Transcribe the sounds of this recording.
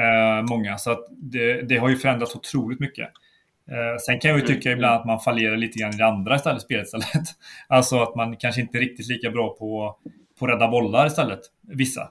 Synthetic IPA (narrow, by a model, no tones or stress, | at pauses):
mɔŋːasɔat̪d̪ɛd̪ɛɦaɾjɵfœɾɛnd̪ɾat̪sʊt̪ʰɾuːlɪt̪mʏkːə̰ | sɛnkʰanjɑjɵt̪ʰʏkːaɪbland̪at̪manfaljeːɾaɭiːt̪əɡɾanːɪd̪ɛand̪ɾaɪst̪ɛlːəspeːlət̪st̪ɛlːət̪alsɔat̪mankʰanʂəɪnt̪əɛɾɪk̚t̪ɪt̪liːkabɾɑːpʰɔ | pʰɔɾɛd̪ːabɔlːaɾɪst̪ɛlːət̪ | vɪsːa̰